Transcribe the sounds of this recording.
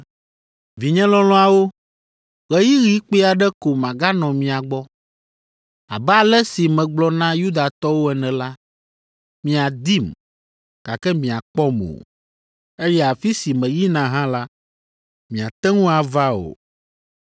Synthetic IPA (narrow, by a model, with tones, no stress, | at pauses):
vi˨ɲɛ̃˦lɔ̃˦lɔ̃˦a˨wo˦ | ɣɛ˦ji˦ɣi˦k͡pe˦a˨ɖɛ˦ko˨mã˨ɡa˦nɔ̃˨mĩ˨a˨ɡ͡bɔ˦ | a˨bɛ˦a˨lɛ˦si˨mɛ̃˨ɡ͡blɔ˦nã˦ju˦d̪a˨t̪ɔ˦wo˦ɛ˨nɛ̃˨la˦ | mĩ˨a˨d̪i˦m | ka˨kɛ˦mĩ˨a˨k͡pɔ˦mo̰˨ | e˦jɛ˦a˨fi˦si˨mɛ̃˨ji˦nã˨ɦã˦la˦ | mĩ˨a˨t̪ɛ˦ŋũ˦a˨va˦o̰˨